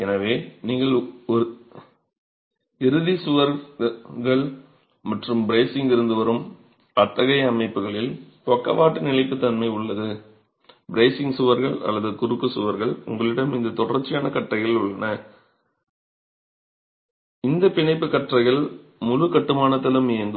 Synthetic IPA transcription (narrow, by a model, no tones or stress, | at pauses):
ɛnɐʋeːniːŋɡɐɭɔɾɯ | ɪɾɯðisʊʋɐɾɣɐɭ | mɐʈrɯmbɪɾeːsɪŋɡɪɾɯnd̪ɯʋɐɾɯm | ɐt̪ːɐɣɐɪɐmɐɪpːɯɣɐɭɪlt̪ɔkːɐ̰ʋaːʈːɯnɪlɐɪpːɯt̪ːɐnmɐɪʊɭːɐðɯ | bɪɾeːsɪŋɡsʊʋɐɾɣɐɭɐ̰lːɐðɯkʊɾɯkːɯsʊʋɐɾɣɐɭʊ̰ŋɡɐɭɪɽɐmɪnd̪ɐt̪ɔɽɐɾt͡ʃːɪjaːnɐkɐʈrɐɪɣɐɭʊɭːɐnɐ | ɪnd̪ɐpɪɳɐɪpːɯkɐʈrɐɪɣɐɭ | mʊlɯkɐʈːɯmaːnɐt̪ːɪlɯmɪjɐŋɡ̪